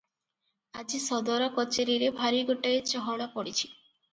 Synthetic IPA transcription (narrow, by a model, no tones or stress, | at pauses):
ad͡ʒisɔd̪ɔɾɔkɔt͡ʃeɾiɾebʱaɾiɡoʈaet͡ʃɔɦɔɽapɔɽit͡ʃʰi̥